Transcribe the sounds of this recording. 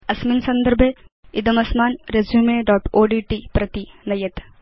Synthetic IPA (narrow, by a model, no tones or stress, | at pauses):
ɐsminsɐnd̪əɾbʱjeid̪ɐmɐsmaːnɾezjumeːɖɔːʈoːɖiːʈipɾɐt̪inɐjɐt̪